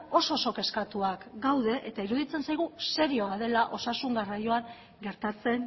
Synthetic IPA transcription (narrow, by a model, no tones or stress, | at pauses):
o̞soso̞ke̞skat̪uakɡawðe̞ʔet̪aiɾuðit͡se̞nsajɣ̞use̞ɾio̞aðe̞laʔo̞sasuŋɡarajo̞aŋ | ɡe̞ɾt̪at͡se̞n